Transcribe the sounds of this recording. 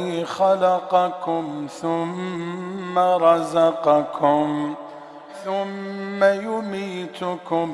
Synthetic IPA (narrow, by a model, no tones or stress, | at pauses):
xalaqɑkʊmθʊmː | aɾˤɑzɑqɑkʰʊm | θʊmːajʊmiːt̪ʊkʊ